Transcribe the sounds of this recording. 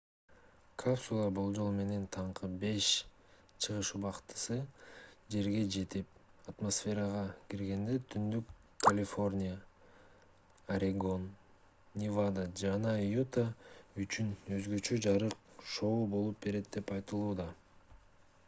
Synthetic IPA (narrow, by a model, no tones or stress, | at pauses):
kʰapsulˠɑbulˠd͡ʒo̞lˠme̞ne̞nt̪ʰɑɴqɯbe̞ʃ | t͡ʃʰɯʁɯʃubɑqt̪ɯ̥sɯd͡ʒe̞ɾɡe̞d͡ʒe̞t̪ip̚ɐt̪mosfʲe̞ɾəʁɑkiɾɡe̞nd̪e̞t̪ʰynd̪ykː | ɐlʲɪfo̞rʲnʲijə | ɐɾʲeɡo̞n | nʲivad̪ad͡ʒɑnɑjut̪ayt͡ʃynø̞zɡø̞t͡ʃø̞d͡ʒɑɾɯq̚ʃo̞ubo̞lˠup̚be̞ɾe̞t̪̚d̪e̞pɑjt̪ɯlˠuːd̪ɑ